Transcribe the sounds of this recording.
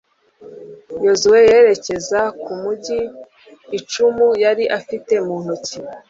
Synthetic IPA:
jo̞zuwe̞je̞ːɾe̞ce̞zakumuɟiː | t͡ʃumujaɾiʔafite̞muːn̥huci

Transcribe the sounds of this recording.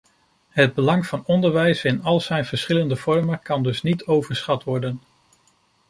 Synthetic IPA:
ɦəd̚bəlɑŋv̥ɑnɔndəɹʋɛjsɪnɑlˠz̥ɛjnv̥əɹsχɪləndəv̥ɔɹməkɑndɵsnitʰowvəɹsχɑtʋɔɹdən

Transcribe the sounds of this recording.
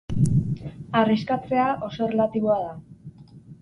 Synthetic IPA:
ariskat͡se̞aʔo̞so̞relat̪iβo̞aða

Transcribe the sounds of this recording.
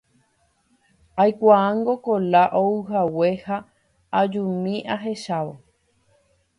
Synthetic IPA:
ajkʷaãŋɡo̞kolaʔouɦawe̞ha | ad͡ʒũmĩʔaɦe̞ʃaʋo

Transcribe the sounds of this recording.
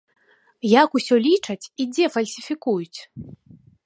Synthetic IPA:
jakusʲɔlʲit͡ʂɐt͡sʲid͡zʲɛfɐlʲsʲifʲikujut͡sʲ

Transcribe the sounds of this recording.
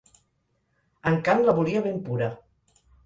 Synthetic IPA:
əŋkanləβuliəβempuɾə

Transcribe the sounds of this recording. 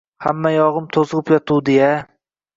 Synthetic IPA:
hamːajɒʁɨmt̪ʰozʁɨpjɒt̪ʰuwd̪eja

